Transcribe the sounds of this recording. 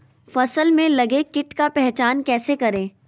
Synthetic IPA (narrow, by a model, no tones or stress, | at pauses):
fɐsəlmẽlɐɡekɪʈkapɛɦt͡ʃaːnkɛːsekɐɾẽː